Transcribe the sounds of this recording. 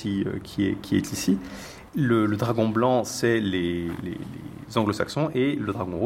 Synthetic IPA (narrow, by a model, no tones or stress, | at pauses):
iø̰kʲʰiɛ̰kʰʲiɛ̰t̪ʰisi | lələd̪ʁaɡɔ̃blɑ̃sɛlelḛlḛ | zɑ̃ɡlosa̰ksɔ̃ʔeləd̪ʁaɡɔ̃ʁu